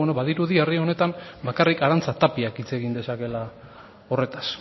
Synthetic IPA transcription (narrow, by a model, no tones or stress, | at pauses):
eno̞βaðiɾuðierio̞ne̞t̪ambakarikaɾant͡sat̪apiakit͡se̞ɣind̪e̞sake̞la | o̞re̞t̪ḁs